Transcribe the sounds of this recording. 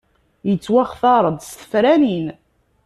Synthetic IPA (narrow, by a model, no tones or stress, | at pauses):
jət͡sːwæχθɑɾˤəd̪ˤsθə̥fɾænin